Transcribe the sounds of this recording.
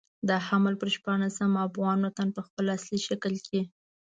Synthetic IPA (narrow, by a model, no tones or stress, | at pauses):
d̪əhaməlpəɾʃpɑɳasamafɣɑnot̪anpəxpəlasliʃakəlke